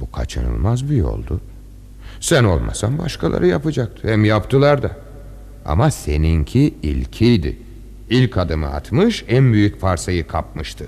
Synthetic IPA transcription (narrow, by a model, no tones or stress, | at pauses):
bukʰat͡ʃʰɯnɯ̰lˠmazbijo̞̰lˠd̪ʊ | sæno̞̰lˠmʔa̰sambaʃkʰalˠa̰ɾɯjapɯd͡ʒak̚t̪ʰɯ̥hɛmjapt̪ʰɯlˠaɾd̪a | a̰mase̞nincʰiḭlʲcʰijd̪ɪ̰ | ilʲkʰad̪ɯmɯ̰a̰t̪mɯʃænbyjycfaɾsajɯkʰap̚mɯʃt̪ʰɯ